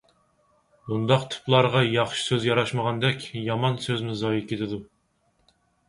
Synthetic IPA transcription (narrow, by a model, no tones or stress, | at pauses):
und̪ɑqt̪ʰu̥plˠɑɾʁɑjɑχʃi̥søzjɑɾɑʃməʁɑnd̪ɛkʲjɑmɑnsøzmɪzɑjikʲʰet̪ʰɪd̪u